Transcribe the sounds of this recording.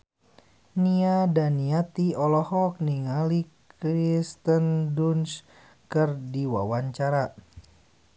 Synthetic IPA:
niadaniat̪iɔlɔhɔk̚niŋalikɾist̪ənduns | kɨrdiwa̰waɲt͡ʃaɾa

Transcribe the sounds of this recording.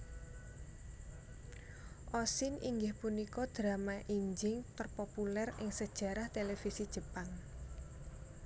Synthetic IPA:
ʔɔsɪniŋɡɪhpunikɔd̪̥ɾa̤maʔiɲd͡ʒɪŋt̪ərpopulɛrɪŋsəd̥ʒ̥ä̤ɾaht̪elefisid̥ʒ̥ə̤paŋ

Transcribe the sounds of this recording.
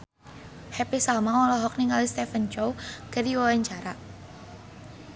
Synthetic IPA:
hɛpisalmaɔlɔɦɔk̚niŋalist̪ɛfənt͡ʃowkəriwawaɲt͡ʃaɾa

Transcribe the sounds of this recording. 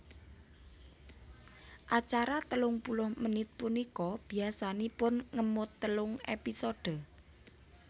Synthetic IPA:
ʔat͡ʃaɾat̪əlʊŋpulʊhmənɪt̪̚punikɔb̥i̤asanipʊnŋəmʊt̪ːəlʊŋḛpisod̥ə̤

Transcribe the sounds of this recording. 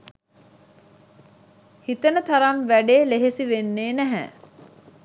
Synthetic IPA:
hit̪ənət̪ʰɐɾamʋæɖeːleɦesiʋenːeːnæɦæ̰

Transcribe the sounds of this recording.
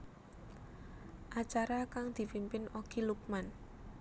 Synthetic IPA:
ʔat͡ʃaɾakaŋd̪̥i̤pimpɪnoɡ̥iluk̚man

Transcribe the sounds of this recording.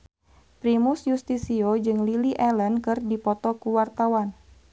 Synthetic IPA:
pɾimusjust̪isiod͡ʒɨŋliliʔɛlənkɨrdipɔt̪ɔkuwart̪awan

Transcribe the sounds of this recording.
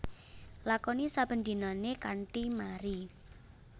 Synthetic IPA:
lakɔnisab̥ə̤nd̪i̤nɔnekaɳʈimaɾi

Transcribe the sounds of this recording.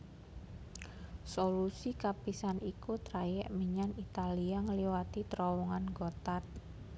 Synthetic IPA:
solusikapisanʔikut̪ɾajɛʔməɲanit̪aliaŋliwat̪it̪ɾɔwɔŋanɡot̪at̪̚

